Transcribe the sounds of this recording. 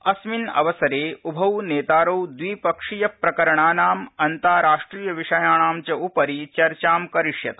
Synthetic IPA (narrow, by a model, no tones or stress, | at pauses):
ɐsminɐ̰ʋɐsɐɾeːubʱɐwneːt̪aːɾɐwd̪ʋiːpɐkʂijɐpɾɐkɐɾɐɳaːnaːmɐnt̪aːɾaːʂʈɾiːjɐʋiʂɐjaːɳaːmt͡ʃɐupɐɾit͡ʃɐɾt͡ʃaːmkɐɾiʂjɐ̰t̪